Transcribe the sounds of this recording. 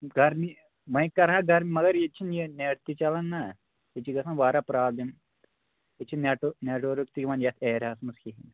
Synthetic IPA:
ɡɐɾmi | mɐjkːɐɾɦaɡɐɾmimɐɡɐɾjet͡ʃʰːinjineːʈt̪it͡ʃɐlɐnːa | et͡ʃːiɡɐsɐnʋaːɾapɾaːd̪in | et͡ʃʰːinneʈuneːʈoɾukt̪ikimɐnjɐt̪ʰeːɾaːsmɐskiɦin

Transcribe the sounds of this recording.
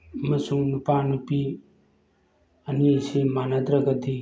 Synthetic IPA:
ɐmɐsuŋnupanupi | ɐniesimanɐd̪ɾɐɡɐd̪i

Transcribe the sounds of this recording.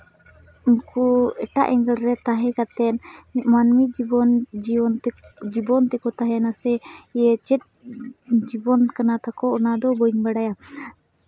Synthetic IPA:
uŋkuɛʈa̰ʔɛŋɡɛlɾɛt̪aɦɛkat̪ɛnmanmiɔnnd͡ʒibɔnt̪ɛkɔt̪aɦɛnasɛɛt͡ʃɛt̪̚ | d͡ʒibɔnkanat̪akɔɔnad̪ɔbɔɲbaɽaja

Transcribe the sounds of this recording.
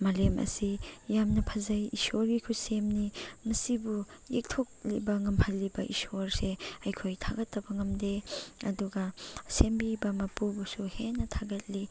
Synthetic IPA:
malemɐ̰sijamnɐpʰɐzɐjisoɾɡikʰusemnimɐsibujḛk̚tʰok̚libɐŋɐmhʰɐlːibɐʔḭsoɾseɐjkʰojtʰaɡɐtːɐbɐŋɐmdeɐduɡɐsembibɐmɐpubusuhenːɐtʰaɡɐt̚li

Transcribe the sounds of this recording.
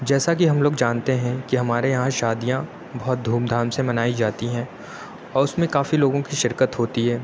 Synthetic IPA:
d͡ʒɛːsak̬iɦɐmloːɡd͡ʒaːnt̪eɦɛ̃kiɦɐmaːɾejɐɦãʃaːd̪ijã | bɐɦɔt̪̚d̪ʱuːmd̪ʱaːɾmsemɐnaːid͡ʒaːt̪iɦɛ̃ | ɔːɾʊsmẽkaːfiloːɡõkiʃɪɾkət̪ɦoːt̪iɦɛː

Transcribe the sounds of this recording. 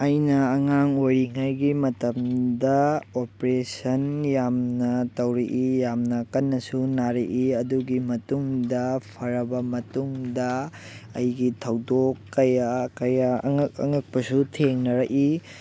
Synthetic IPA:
ɐjnɐːŋaŋojɾiŋajɡimɐtɐmdɐopɾesɐnjamnɐtɐwɾɐʔijamnɐkɐnːɐsunaɾɐʔiɐduɡimɐtuŋdɐpʰɐɾɐbɐmɐtuŋdɐɐjɡitʰɐwdokːɐjakɐjaŋkɐ̰ŋɐk̚pɐsutʰeŋnɐɾɐkʔi

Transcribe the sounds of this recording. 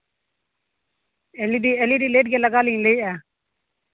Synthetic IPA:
eliːɖiːeːliːɖiːleːʈɡeːləɡaːlĩleiːɛː

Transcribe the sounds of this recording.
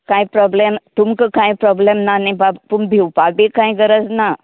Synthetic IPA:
kajpɾɔblemt̪umkəkajpɾɔblemnanibabpumbʱiwpabikãiɡəɾəd͡zna

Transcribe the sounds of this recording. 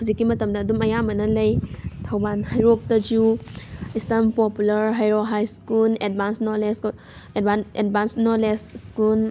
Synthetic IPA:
kʰuzikːimɐtɐmdɐːdumɐjamɐnɐlɐjtʰawbanhajɾok̚tɐd͡ʒu | istɐmpɔpulɐɾɦajɾoɦajskuled̚bansnɔlesk | edbaned̚bansnɔlesskul

